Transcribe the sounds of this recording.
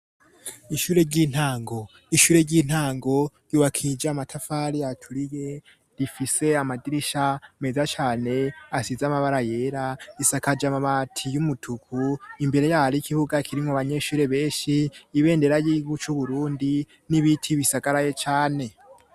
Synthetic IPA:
iʃuːɾe̞ɾɟiːn̥haːŋɡo̞ | iʃuːɾe̞ɾɟiːn̥haːŋɡo̞ɾuwakʰid͡ʒamatʰafaɾijatʰuɾije̞ | ɾifise̞amadiɾiʃame̞zat͡ʃaːne̞asizamaβaɾaje̞ːɾaisakad͡ʒamaβatʰijumutʰukʰuimbe̞ɾe̞jaɾikihuɡakʰiɾiŋaβaɲe̞ʃuːɾe̞βe̞ːnʃiːβe̞ːnde̞ɾajiɡut͡ʃuβuɾuːndi | niβitʰiβisaɡaɾajet͡ʃaːne̞

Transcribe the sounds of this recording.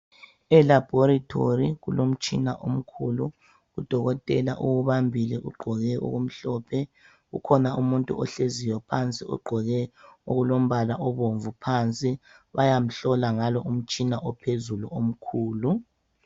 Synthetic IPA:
ɛlab̥ʱɔɾatʰoriɣulom̩t͡ʃʼina̰ʔom̩kʰulu | ɣud̥ʱɔɣɔtʼɛlaʔuɣuβambʱilɛʔṵɡ͡ǃʱɔɣɛṵɣum̩ɬɔːpʰɛ | ṵkʰɔnaumuntʼṵʔɔɬeziwɔpʰant͡sʼiʔṵɡ͡ǃʱɔɣɛoɣulom̩βalaʔɔβoɱvupʰant͡sʼiβajam̩ɬɔlaŋalɔʔum̩t͡ʃʼinaʔɔpʰezulṵom̩kʰuːlu

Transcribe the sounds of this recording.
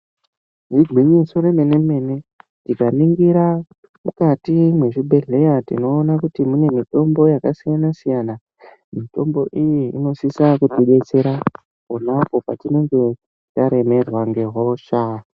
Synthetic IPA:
ʐiɡʱwiɲisoreme̞ne̞me̞ne̞ | tikaniŋɡiɾa | mukatimwe̞ʐibʱe̞ɮe̞jatino̞ːnakutimune̞mito̞mbo̞jakasijanasijana | mito̞mbo̞ʔijiḭno̞sisakutiɓe̞t͡se̞ɾa | konapo̞pa̰tine̞ŋɡe̞ | taɾe̞me̞rwaŋɡe̞ɦwoʃaː

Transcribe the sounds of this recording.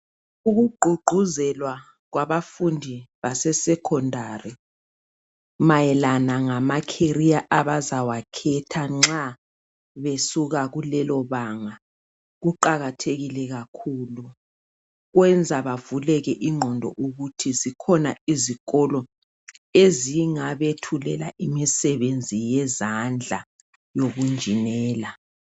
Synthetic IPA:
uɣuɡ͡ǃʱuɡ͡ǃʱuzɛlwa | ɣwaβafundʱiβasɛsɛkʰɔndʱari | majɛlanaŋamakʰeriaʔaβazawakʰɛtʰaŋ͡ǁa | βesuɣaɣulɛlɔβaŋa | ɣuǃaɣatʰeɣilɛɣakʰuːlu | ɣwɛnd͡zʱaβavulɛɣɛʔiŋ͡ǃʱɔndʱɔ̰ʔuɣutʰizikʰɔna̰iziɣɔlɔ | eziŋaβetʰulɛlaʔimisɛβend͡zʱijɛzand͡ɮʱa | joɣund͡ʒʱinɛːla

